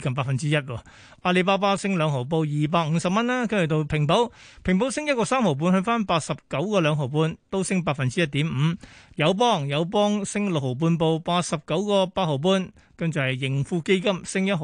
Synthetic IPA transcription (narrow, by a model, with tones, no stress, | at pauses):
kɐ˨˩mp̬aː˧˩fɐ˨nt͡siː˥jɐ˥t̚wɔː˧ | ʔaː˧le˧paː˥p̬aː˥sɪ˥ŋlœː˨˧ŋɦo˨˩wp̬o˧wjiː˨p̬aː˧k̚ŋ̩ː˨˧ŋsɐ˨p̚mɐ˥nlaː˥kɐ˥˨˩t̪o˧wpʰɪ˨˩ŋpo˨˥wpʰɪ˨˩ŋp̬o˨˥wsɪ˥ŋjɐt̚kɔː˧saː˥mho˨˩wp̬uː˧nhɵ˧ɥfaː˥npaː˧t̚sɐ˨p̚kɐ˨˥wkɔː˧lœː˨˧ŋɦo˨˩wp̬uː˧nt̪o˥wsɪ˥ŋpaː˧k̚fɐ˨nt͡siː˥ɐ˥t̪̚iː˨˥mm̩ː˨˧jɐ˨˧wp̬ɔː˥ŋjɐ˨˧wp̬ɔː˥ŋsɪ˥ŋlo˨k̚ho˨˩wp̬uː˧np̬o˧wpaː˧t̚sɐ˨p̚kɐ˨˥wkɔː˧paː˧t̚ho˨˩wp̬uː˧n | kɐ˥ŋt͡sʊ˨˩hɐ˨˩jːɪ˨˩ŋfuː˧ke˥jkɐ˥msɪ˥ŋjɐ˥t̚ɦo˨